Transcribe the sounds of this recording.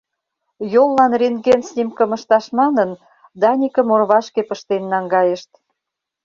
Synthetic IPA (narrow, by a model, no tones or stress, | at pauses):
jolːɑnriŋɡensnʲimkə̆mə̆ʃt̪ɑʃmɑnən | d̪ɑnʲikə̆morβɑʃkepəʃt̪enːɑŋɡɑjeʃt̪